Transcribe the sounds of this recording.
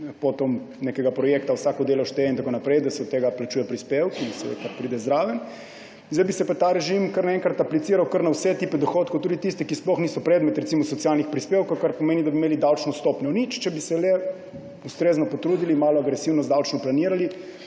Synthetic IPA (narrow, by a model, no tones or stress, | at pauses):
pot̪ɔm | nekɛɡapɾɔjeːkt̪awsaːkod̪eːlɔʃt̪ɛint̪akonapɾɛjd̪asɛɔt̪ːeːɡaplat͡ʃuːjɛpɾispewkinsɛḛkapɾid̪ɛzd̪ɾaːʋɛn | zd̪ɛjbisɛpat̪aɾɛʒimkəɾnaɛ̃ːŋkɾat̪aplit̪iːɾawkəɾnawsɛt̪ipɛd̪ɔxot̪kowt̪uːd̪it̪ist̪ɛkisplɔxniːsɔpɾɛd̪mɛt̪ɾɛt̪simɔsɔt̪sijalnixpɾispeːwkowkaɾpomeːnid̪abimeːlid̪awt͡ʃnɔst̪opnɔnit͡ʃt͡ʃɛbisɛlɛ | ust̪ɾeːznɔpot̪ɾuːd̪ilimaːlɔaɡɾɛsiwnɔzd̪awt͡ʃnɔplaniːɾali